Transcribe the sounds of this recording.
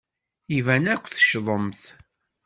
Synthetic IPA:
ivænækʷːθə̥ʃðˤəmθ

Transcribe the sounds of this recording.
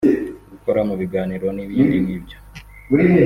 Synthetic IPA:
ɡuko̞ɾamuβiɡaːniɾo̞niβiɾimibɟo̥ | uɾie

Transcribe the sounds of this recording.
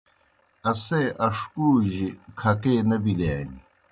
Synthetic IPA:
ɐseːʔɐʂkuːʑikʰɐkeːnɐbileːni

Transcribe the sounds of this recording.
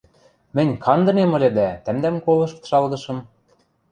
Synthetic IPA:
mɘ̆nʲkʰɑnd̪ɤ̆nemɤ̆lʲed̪æt̪æ̆md̪æmkolɤ̆ʃkt̪ʃɑlɣɤ̆ʃɤ̆m

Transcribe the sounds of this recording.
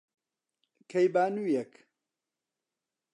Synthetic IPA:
kʰɐjbaːnuːjɛk

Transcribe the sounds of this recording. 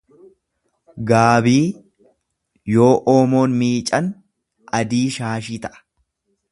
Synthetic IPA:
ɡaːbiː | jo̞ːʔoːmo̞ːnmiːt͡ʃʼɐn | ʔɐd̪iːʃaːʃiːt̪ɐʔɐ̥

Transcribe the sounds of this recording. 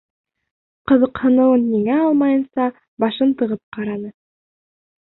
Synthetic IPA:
qɤ̆ðɤ̆qhɤ̆nɤ̆wɤnːiŋæɑlˠmɑjɤ̆nsɑ | bɑʃɤnt̪ɤ̆ʁɤp̚qɑɾɑnɤ

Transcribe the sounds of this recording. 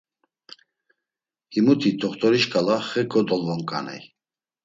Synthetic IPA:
himut̪ʰit̪ʰɔχt̪ʰʼɔɾiʃkʼalaχɛkʼɔd̪ɔlvɔŋkʼa̰nɛ̰j

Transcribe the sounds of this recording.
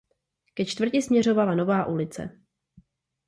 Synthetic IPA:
kɛt͡ʃt̪vr̩cɪsmɲɛr̝o̞valano̞vaːʔulɪt͡sɛ̰

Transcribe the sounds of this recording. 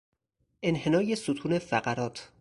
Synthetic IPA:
ʔe̞nhe̞nɒːjesot̪ʰuːne̞fæɢæɾɒːt̪ʰ

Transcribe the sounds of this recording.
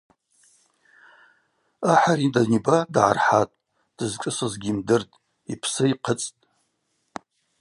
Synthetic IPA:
aħaɾidanibadʕa̰rħatʼ | d̥ɨzkʼɨsazɡʲiːmdɨrtʼ | ipʰsɨiqʰət͡sʼtʼ

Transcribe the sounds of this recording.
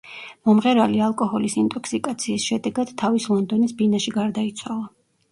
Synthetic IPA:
mɔmʁɛɾalialˠkʼɔhɔlisint̪ʼɔkʰsikʼat̪sʰiːsʃɛd̪ɛɡad̪̥t̪ʰːavislˠɔnd̪ɔnisbinaʃiɡaɾd̪ait̪sʰwalˠa

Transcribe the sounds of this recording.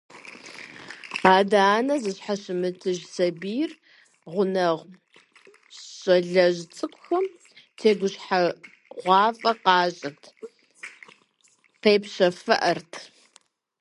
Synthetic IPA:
aːdaːnɐzɨɕħaɕɪmɨtʰɨʒsɐbiːr | ʁʷʊnɐʁʷ | ɕʼɐɮɐʑt͡sʼɨkʷʼʊxɐm | tʰeːɡʷʊɕħa | ʁʷɑːfʼɐqɑːɕʼɪtʰ | qejpɕɐfɐʔɐrtʰ

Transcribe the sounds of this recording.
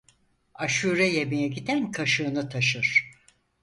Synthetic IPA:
aʃuːɾɛjebijɛɟid̪ænkʰaʃɯːnɯt̪ʰaʃɯɾ̥

